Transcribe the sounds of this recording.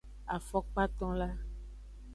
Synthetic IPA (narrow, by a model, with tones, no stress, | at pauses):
a̰˨fɔ˦k͡pa˦t̪ɔ̃˦la˦